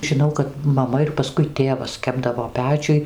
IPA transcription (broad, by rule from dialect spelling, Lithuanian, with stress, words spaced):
ʒʲɪˈnɐʊ kɐt mɐˈmɐ ɪr pɐˈskʊɪ ˈtʲeːʋɐs ˈkʲæːbdɐʋoː ˈpʲæːt͡ʃʲʊj